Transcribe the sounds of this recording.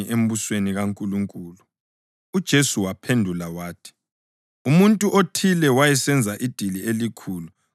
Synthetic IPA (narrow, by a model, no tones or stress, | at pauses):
iʔem̩βusweniɣaŋkʼuluŋkʼuːlu | ud̥ʒ̥ʱesuwapʰendʱulawaːtʰi̥ | umuntʼuʔotʰilɛwajɛsɛnd͡zʱaʔid̥ʱilielikʰuːlu